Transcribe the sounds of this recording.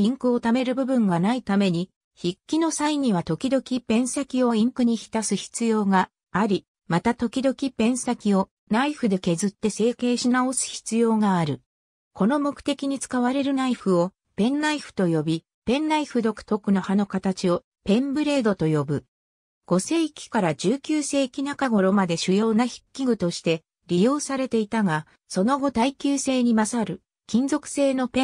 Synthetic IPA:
ĩŋkɯ̟o̞t̪ame̞ɾɯ̟bɯ̟bɯ̟̃ŋɡanait̪ame̞ɲ̟i | çikʲːino̞saiɲ̟iβ̞at̪o̞kʲid̪o̞kʲipẽ̞ɰ̃sakʲio̞ĩŋkɯ̟ɲ̟içi̥t̪asɨçi̥t͡sɨjo̞ːɡa | aɾʲi | mat̪at̪o̞kʲid̪o̞kʲipẽ̞ɰ̃sakʲio̞ | naiɸɯ̟d̪e̞ke̞zɨt̪ːe̞se̞ːke̞ːɕinao̞sɨ̥çi̥t͡sɨjo̞ːɡaːɾɯ̟ | ko̞no̞mo̞kɯ̟̥t̪e̞kʲiɲ̟it͡sɨ̥kaβaɾe̞ɾɯ̟naiɸɯ̟o̞ | pẽ̞nːaiɸɯ̥t̪o̞jo̞bʲi | pẽ̞nːaiɸɯ̟d̪o̞kɯ̥t̪o̞kɯ̟no̞hano̞kat̪at͡ɕio̞ | pẽ̞mbɯ̟ɾe̞ːd̪o̞t̪o̞jo̞bɯ̟ | ɡ̥o̞se̞ːikʲi̥kaɾad͡ʑɨːkʲɨːse̞ːkʲinakaɡo̞ɾo̞mad̪e̞ɕɨjo̞ːnaçi̥kʲːiɡɯ̟t̪o̞ɕi̥t̪e̞ | ɾʲijo̞ːsaɾe̞t̪e̞it̪aɡa | so̞no̞ɡo̞t̪aikʲɨːse̞ːɲ̟imasaɾɯ̟ | kʲĩnzo̞kɯ̥se̞ːno̞pẽ

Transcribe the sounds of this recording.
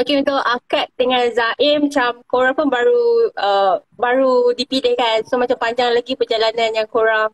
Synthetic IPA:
okeunt̪ʊʔakat̪̚dəŋãnzaʔɪmat͡ʃamkoɾaŋpʊnbaɾuʔəbaɾudipilehkansomãt͡ʃampaɲd͡ʒaŋlaɡipərd͡ʒalanãnjaŋkoɾaŋ

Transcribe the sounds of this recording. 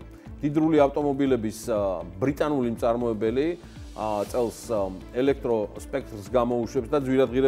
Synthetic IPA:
d̪̥id̪ɾuliaft̪ʼɔmɔbilɛbisbɾit̪ʼanulimt̪sʼaɾmɔɛbɛli | t̪sʼɛlˠsɛlɛk̚ʰt̪ʼɾɔspʼɛk̚ʰt̪ʼɾsɡamɔuʃwɛpsd̪ad̪zwiɾad̪ʁiɾɛ

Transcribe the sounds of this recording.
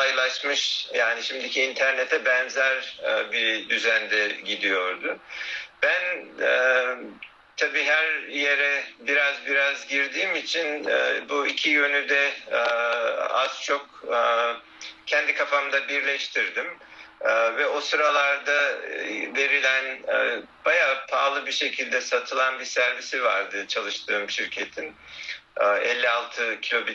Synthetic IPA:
ajlˠaʃmɯʃjaːniʃimd̪icʰiːnt̪ʰæɾnet̪ʰɛbɛnzæɾbid̪yzænd̪ɛɟid̪ijo̞ɾd̪ʊb̥ænː | t̪ʰabiːɦæɾjeɾɛbiɾazbiɾazɟiɾd̪iːmit͡ʃʰin̰buicʰijø̞nyd̪ɛ | a̰z̥t͡ʃʰo̞kː | cʰɛnd̪ikʰafamd̪abiɾlʲɛʃt̪ʰiɾd̪imː | vɛosɯɾalˠaɾd̪a | ve̞ɾilʲænːb̥ajaːpʰaːlˠɯbiʃe̞cʰilʲd̪ɛsat̪ʰɯlˠanbisæɾvisiva̰ɾd̪ɯt͡ʃʰalˠɯʃt̪ʰɯːmʃiɾcʰet̪ʰinː | ɛ̰lʲːialˠt̪ʰɯcʰilʲo̞bi

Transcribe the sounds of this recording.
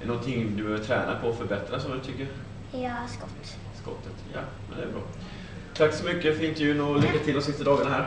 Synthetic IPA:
ɛnɔnt̪ʰɪŋd̪ɵbøːvət̪ʰɾɛːnʔa̰pʰɔɔfœɾbɛt̪ɾasɔmd̪ɵt̪ʰʏkːəɾ | jɑːskɔt̪ː | skɔ̰t̪ʰːət̪jɑ̰ː | mɛnd̪ɛ̰ːɾbɾɑ̰ː | t̪ʰaksɔmʏkːəfɾɪnt̪əjʉnulʏkːat̪ʰɪld̪ɔmsɪst̪ad̪ɑːɡanaɦæːɾ

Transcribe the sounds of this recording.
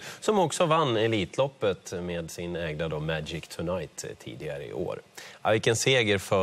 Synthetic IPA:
sɔmɔksɔvanːɛliːt̪ʰlɔpːət̪meːd̪sɪnɛːɡd̪ad̪omæd͡ʒɪkt̪ʰɵnajt̪t̪ʰːḭːd̪ɪɡaɾə̰ɪ̰ʔo̰ːɾa̰vɪkːɛnseːɡəɾfœ

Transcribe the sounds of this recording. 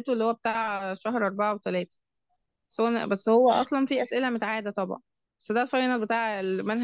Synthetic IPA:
t̪oelːihowːæbet̪aːʕʃæhɾʔɑɾˤbaʕawet̪ælæːt̪æ̥ | bæsːhowænbæsːhowːæʔɑ̰sˤlɑnfiʔæsʔelæmot̪ʕaːʔed̪æt̪ˤɑbʕɑ̰n | bæsːd̪ælfɑinɑbet̪aːʕelmænɦ

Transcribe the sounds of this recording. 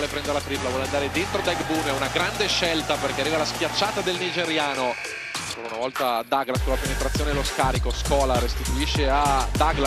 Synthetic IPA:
lepɾɛnd̪eɾelatɾipolavwɔːleand̪aːɾed̪ent̪ɾod̪ɛɡbunɛunaɡɾand̪eʃːɛlt̪aperkearːivalaskjat͡ʃːaːt̪ad̪elnid͡ʒeɾjaːno | ŋkoɾaunavɔlt̪ad̪aɡlaskolapenet̪ɾat̪sːjoːneloskaːɾikoskɔːlaɾest̪it̪uiʃːead̪aɡl

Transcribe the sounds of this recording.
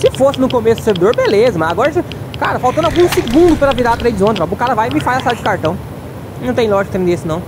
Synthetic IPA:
sɪfosɪnʊkomesʊd̥̪ʊseɾvid̪oɾbelezɐmɐzaɡɔɾɐsɪ | kaɾɐfawt̪ɐ̃nd̪awɡũsɪɡũnd̪ʊpɐɾɐviɾat̪ɾejd͡ʒɪzõnɾɔbʊkaɾɐvajɪmɪfazɐsajɐd͡ʒɪkaɾt̪ɐ̃w̃ | nɐ̃w̃t̪ẽj̃lɔʒɪkʊt̪ɾẽnd̪eesɪnɐ̃w̃

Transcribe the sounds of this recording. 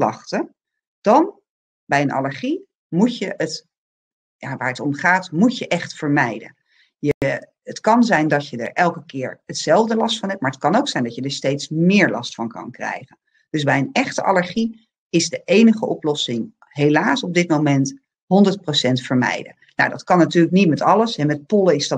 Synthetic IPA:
lɑχtə | d̥ɑn | bɛjənɑ̰ləɹχi | mucəət | jaʋaːɹətɔmχaːtmucəʔɛχtfəɹmɛjdə̰n | jə | ətkɑnzɛjndɑcədə̰ɹʔɛlˠkəkɪːɹətsɛlˠvdəlɑstfɑnɦɛp̚maːɹət̚kɑnowksɛjndɑcədəɹstejtsmɪːɹlɑ̰stfɑnkɑ̰nkrɛ̰jχən | d̥ɵzbɛjənɛχtəʔɑ̰ləɹχi | ɪzdəʔejnəχəʔɔplɔsɪŋ | ɦejlaːsɔb̚dɪtmowmɛnt | ɦɔndəɹt̚prosɛntfəɹmɛ̰jdə̰ | na̰wdɑtkɑnːatyːɹləknitmɛtɑləsɦɛmɛt̚poləɪzdɑ

